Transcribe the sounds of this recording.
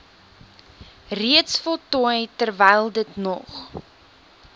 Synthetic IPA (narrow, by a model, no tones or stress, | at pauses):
riətsfɔlˠtɔəjtərvɛjlˠdətnɔ̰χ